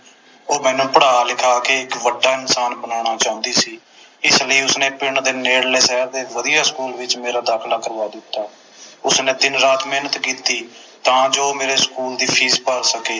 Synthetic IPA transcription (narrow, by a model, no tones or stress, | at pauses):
oːmɛ̃ːnũːpəɽaːlɪkʰaːkeːɪkʋəɖːaːɪnsaːnbənaːɽ̃aːt͡ʃaːɦʊ̃nd̪iːsiː | ɪsləiːʊsnẽːpɪɳd̪eːneːɽleːsɛːɾd̪eːʋəd̪ijaːskuːlʋɪt͡ʃmeːɾaːd̪aːkʰlaːkəɾʋaːd̪ɪt̪ːaː | ʊsnẽːd̪ɪnɾaːt̪meːnət̪kiːt̪iː | t̪ãːd͡ʒoːmeːɾeːskuːld̪iːpʰiːspəɾsəkeː